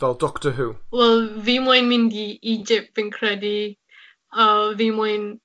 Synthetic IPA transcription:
vɛlˠdɔktəɦuːwɛlˠvimɔjnmɪ̃ndiid͡ʒɪp̚tvɪnkʰɹɛdi | əvimɔjn

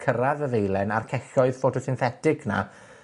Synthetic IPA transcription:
kʰəɾaðəðejlˠɛnarkʰɛɬɔɨð̥fotʰɔsɪnθɛtɪɡna̰

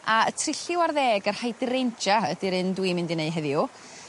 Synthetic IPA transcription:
aə̰tʰrɪɬɪwarðɛːɡər̥hajdɪɾent͡ʃaədiɾɨndwimɪndineɨɦɛðju

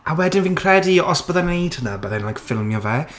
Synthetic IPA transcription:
ʔawɛdɪnviːnkʰrɛdiɔspɔðanejdhənəbəðanlajkfɪlˠmjɔvɛː

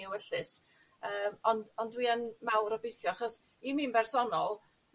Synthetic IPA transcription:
iwəɬɨs | əːmɔndɔndwiənmawɾɔbejθjɔaχɔs | iminbɛrsɔnɔlˠ

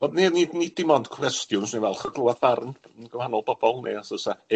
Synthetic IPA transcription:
ɔdninidnidɪmɔnd̥kʰwɛstjʊnsninvɛlˠχəɡlˠʊaðbarnənɡəmhanɔlˠb̥ɔb̥ɔlˠnḛasəsa

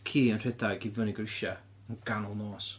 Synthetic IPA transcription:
kʰiːənr̥ɛdaɡɪvəniɡrɪʃa | ənɡ̥anʊlˠnoːs

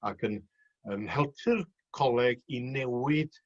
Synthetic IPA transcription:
akʰən | ənhɛlˠtʰɨr | kʰɔlˠɛɡinɛwɪd̥

